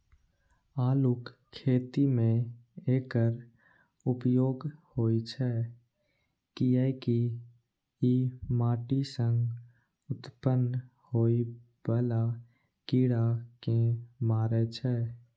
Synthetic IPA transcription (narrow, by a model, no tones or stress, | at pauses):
aːlʊkʰː | eːt̪imẽeːkəɾ | ʊpjoːɡhoːit͡ʃʰɛː | kiɛki | imaːʈisə̃ŋɡ | ʊt̪pən | hoːi | bəla | kiɽakẽmaːɾɛt͡ʃʰɛː